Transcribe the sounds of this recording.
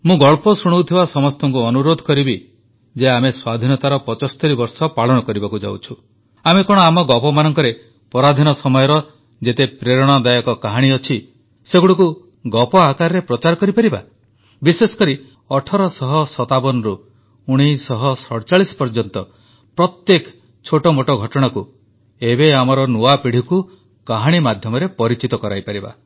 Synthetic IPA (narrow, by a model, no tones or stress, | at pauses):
mũɡɔɭpɔsuɽ̃owt̪ʰibasɔmɔst̪ʰɔŋkuɔnuɾod̪ʱɔkɔɾibi | d͡ʒeameswad̪ʱinɔt̪aɾɔpɔt͡ʃɔst̪ɔɾibɔɾsɔpaɭɔɽ̃ɔkɔɾibakud͡ʒa̰wt͡ʃʰu | amekɔɽ̃ɔamɔɡɔpɔmanɔŋkɔɾe | pɔɾad̪ʱinɔsɔmɔjɔɾɔ | d͡ʒet̪epɾeɾɔɽ̃ɔd̪ajɔkɔkaɦaɽ̃iɔt͡ʃʰi | seɡuɽɔku | ɡɔpɔakaɾɾepɾɔt͡ʃaɾɔkɔɾipaɾiba̰ | bisesɔ̥kɔɾi | ɔʈʰɔɾɔsɔɦɔsɔt̪abɔnɔɾu | uɽ̃isɔɦɔsɔɽɔt͡ʃaɭisɔ̥pɔɾd͡ʒɔnt̪ɔ | pɾɔt̪jekʰ | t͡ʃʰoʈɔmoʈɔɡʱɔʈɔɽ̃aku | ebeamɔɾɔnuapiɽ̤iku | kaɦaɽ̃imad̪ʱjɔmɔɾepɔɾit͡ʃit̪ɔkɔɾa̰jpaɾiba̰